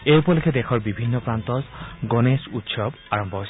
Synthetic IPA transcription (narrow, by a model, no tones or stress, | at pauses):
ejupɔlekʰɛdɛxʰɔɹbibʱinːɔpɹant̪ɔzɡonesut̪sɔb | aɹɔmbʱɔɦojs